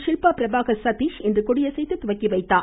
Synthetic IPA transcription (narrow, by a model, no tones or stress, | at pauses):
ʃɪlpaːpɪɾɐbaːɣɐsɐt̪iːʃɛndrɯkɔɽɪjɐsɛjt̪ːɯt̪ʊʋɐkːiʋɐɪt̪ːaː